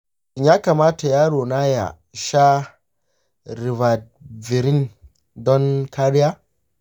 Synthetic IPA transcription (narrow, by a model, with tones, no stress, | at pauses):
ʔɪ˨ɲjaː˦ka˨maː˦ta˨jaː˦ɽoː˨na˦ja̰˨ | ʃa˦ | ɾɪ˨va˨d̚ | vɪ˨ɾɪ˦n | dɔ˦ŋkʰa˦ɾɪ˦jaː˦